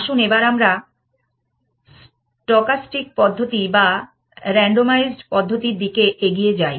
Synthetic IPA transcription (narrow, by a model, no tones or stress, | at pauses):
ʃunebaɾamɾa | s | ʈɔkasʈik̚pɔd̪ʱːot̪iba | ɾɛɳɖomajzɖpɔd̪ʱːot̪iɾd̪ikeʔeɡijed͡ʑaj